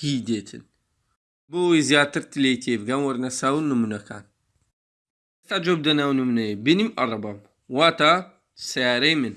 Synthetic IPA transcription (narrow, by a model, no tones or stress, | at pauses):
hid̪eːt̪ʰɨ̰n | bowojzjaːt̪ɨɾt̪ɨlejt̪ʰebɡanwɐɾnɐsaːwnɨmunɐkʰa̰ːn | est̪aːd͡ʒob̚d̪ɐnawnɨmunɐjebinimɐrˤɑbɐm | waːt̪a | sɐjaːɾɐjmɨn